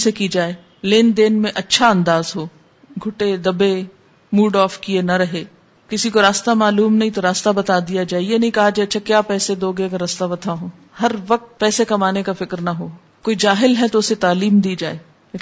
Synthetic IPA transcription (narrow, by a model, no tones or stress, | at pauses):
sekid͡ʒaːe | leːnd̪eːnmẽʔɐtːʃʰaɐ̃nd̪aːzɦoː | ɡʱʊʈed̪ɐbe | muːɖɔːfkienɐɾɐɦeː | kɪsikoɾaːst̪amaːluːmnɐɦĩt̪oɾaːst̪abɐt̪aːd̪ijad͡ʒaːejenɐɦĩkɐɦad͡ʒaetːʃʰakjaːpɛːsed̪oːɡekaɾɐst̪abɐt̪ʰaɦõː | hɐɾʋɐk̚t̪̚pɛːsekɐmaːnekafɪkɾnɐɦoː | koːid͡ʒaːɦɪlɦɛt̪oʊset̪aːliːmd̪iːd͡ʒaːeː